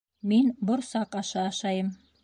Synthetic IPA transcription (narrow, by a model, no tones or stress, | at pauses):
menbʊɾsaqɑʃɑːʃɑjəm